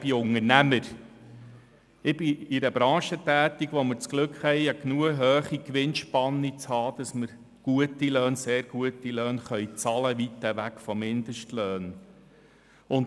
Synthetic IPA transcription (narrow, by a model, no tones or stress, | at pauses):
b̥iʊŋəɾnæməɾ | ɪb̥ɪiɾəbɾɑ̃ːʃətæːt̪iɡʋomɪɾt͡sɡ̥lɵkχhɛjɑknuəɦøːχikʋɪnʃpɑnːit͡shɑːd̥ɑsməɾ | ɡ̥uətiløːnseːɾɡ̥uətiløːnχœʏt͡sɑləʋit̪ːəʋækfɔmːɪnd̥̪əʃtløːn | ʊnt